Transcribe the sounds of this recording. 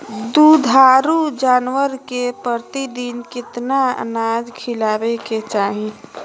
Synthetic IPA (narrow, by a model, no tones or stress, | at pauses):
d̪ud̪ʱaːɾud͡ʒaːnwəɾkepɾəɾt̪id̪inkɪt̪naə̰nad͡ʒkʰɪlaːbeket͡ʃaːɦĩ